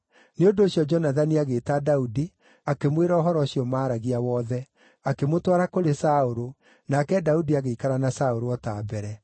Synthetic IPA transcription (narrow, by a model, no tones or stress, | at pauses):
neondoːɕjɔd͡ʒɔnaðaniaɣeːtadaudi | akemweɾaɔɦɔɾɔɕiɔmaːɾaɣiawɔðɛ | akemotwaɾakoɾesaoɾo | nakɛdaudiaɣeikaɾanasaoɾoɔtaːbɛɾɛ